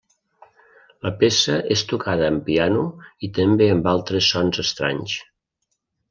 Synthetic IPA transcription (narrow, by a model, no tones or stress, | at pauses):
ləpesəʔest̪ukʰaðəːmpianuit̪əmbeəmbalˠt̪ɾəsːɔnzəst̪ɾa̰ɲs